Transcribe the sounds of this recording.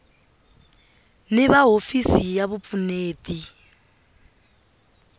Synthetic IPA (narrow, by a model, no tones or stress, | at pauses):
nɪβaɦofisijaβup̪funeːti